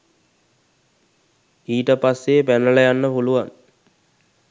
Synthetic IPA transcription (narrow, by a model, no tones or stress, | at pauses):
iːʈəpasːepænəɭəjanːəpuluʋan